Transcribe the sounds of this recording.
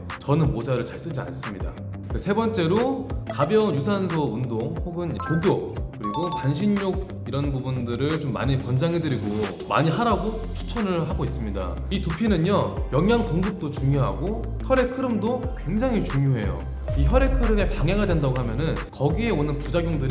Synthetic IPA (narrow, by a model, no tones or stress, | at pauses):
t͡ɕʌnɯnmod͡ʑaɾɯɭt͡ɕaɭs͈ɯd͡ʑia̰ns͈ɯmɲida̰ | esʰe̞bʌnt͡ɕ͈e̞ɾokabjʌjusʰansʰoundoŋɸoɡɯnt͡ɕoɡjokɯɾiɡotanɕʰinɲoɡ̚ | iɾʌnbubundɯɾɯɭt͡ɕomːa̰ɲikʌnd͡ʑaŋɦe̞dɯɾiɡo | ma̰ɲiɦaɾaɡo | t͡ɕʰu̥t͡ɕʰʌnɯɭɦaɡois͈ɯmɲida̰ | itupʰinɯɲʌjʌŋjaŋtoŋɡup̚t͈ot͡ɕuŋjoɦaɡo | çʌɾe̞kʰɯɾɯmdokwe̞ŋd͡ʑaŋɦit͡ɕuŋjoɦe̞̰jo̰ | içʌɾe̞kʰɯɾɯme̞paŋaɡadwe̞ndaɡoɦamjʌnɯnkʌɡie̞onɯnpud͡ʑaɡjoŋdɯɾi